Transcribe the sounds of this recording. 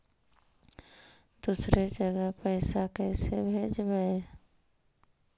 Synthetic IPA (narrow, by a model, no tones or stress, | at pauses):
d̪usɾed͡ʒəɡəɦpəɪsakɛːsebʱeːd͡ʒbəe